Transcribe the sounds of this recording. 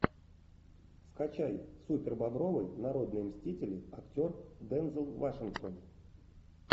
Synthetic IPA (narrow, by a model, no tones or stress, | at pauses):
skat͡ɕajsupʲɪrbɐbɾo̞vəjnɐɾo̞d̪nɨjəmsʲtʲitʲɪlʲɪɐktʲo̞rd̪ɛnzəlˠvaʂɨnkt̪on